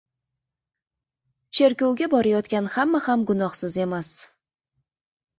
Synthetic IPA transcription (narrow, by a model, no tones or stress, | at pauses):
t͡ʃʰe̞ɾkʲowɡʲabɒɾajɒt̪kʲanhamːahamɡʊnɒhsɪze̞mas